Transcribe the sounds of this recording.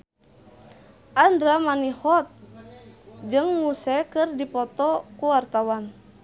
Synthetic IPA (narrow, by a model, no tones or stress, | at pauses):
ʔandɾamanihɔt̪̚ | d͡ʒɨŋmusɛkɨrdipɔt̪ɔkuwart̪awan